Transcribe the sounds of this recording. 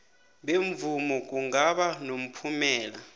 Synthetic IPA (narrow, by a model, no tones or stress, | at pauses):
ɓeɱvumɔk̬ʼuŋɡaɓanom̩pʰumɛːla